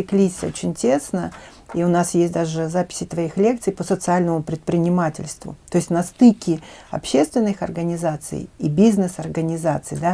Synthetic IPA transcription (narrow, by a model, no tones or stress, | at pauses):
ɪklʲisʲot͡ɕɪnʲtʲe̞snəiʊnasjesʲt̚ʲd̪aʐɨzapʲɪ̥sʲɪt̪vɐixlʲe̞k̚t̪sɨjpəsət̪sɨalʲnəmʊpɾʲɪt̪̚pɾʲɪnʲɪmatʲɪ̰lʲst̪vʊ̰t̪o̞ɪsʲtʲnɐst̪ɨkʲɪɐ̰pɕe̞st̪vʲɪnːɨxɐrɡənʲɪzat̪sɨ̰jḭbʲiznɨsɐrɡənʲɪzat̪sɨ̰jd̪a